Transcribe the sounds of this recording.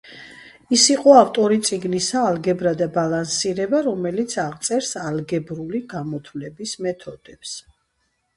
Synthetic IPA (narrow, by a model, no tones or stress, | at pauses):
isiqʼɔaft̪ʼɔɾit̪sʼiɡnisaːlɡɛbɾad̪abalˠansiɾɛbaɾɔmɛlit̪sʰaʁt̪sʼɛɾsalɡɛbɾuliɡamɔt̪ʰvlɛbismɛt̪ʰɔd̪ɛps